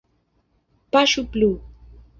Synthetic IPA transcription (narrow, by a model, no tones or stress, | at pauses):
paʃʊpluː